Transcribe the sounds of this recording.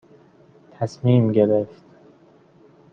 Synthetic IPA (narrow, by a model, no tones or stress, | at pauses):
t̪ʰæsmiːmɟe̞ɾeft̪